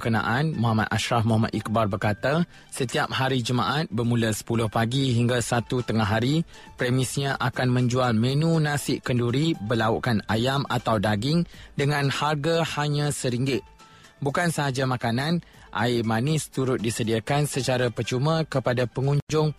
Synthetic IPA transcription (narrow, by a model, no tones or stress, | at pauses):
kənã̰ʔanmuɦama̰t̪aʃɾahmoɦama̰t̪ik̚barbərkat̪a | sət̪iap̚haɾid͡ʒəma̰ʔat̪̚bərmũləsə̥pulʊhpaɡiɦiŋɡasat̪ut̪əŋaɦaɾi | pɾɛmɪsɲãʔakanmə̃ɲd͡ʒualmə̃nũnãsɪʔkənduɾibəlauʔkanajamat̪awdaɡɪŋdəŋãnharɡahaɲãsəɾiŋɡɪʔ̪̚ | bukansəɦad͡ʒamãkanãn | ʔa̰ɪmanɪst̪uɾʊt̪̚disədiakansət͡ʃaɾapərt͡ʃumãkəpadapəŋũɲd͡ʒʊŋ